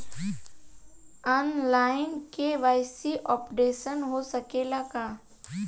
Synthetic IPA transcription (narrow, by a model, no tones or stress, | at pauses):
ɔːnlaːɪnkeʋaːɪsiʔɔːpɖeːʃənɦosɐkelakaː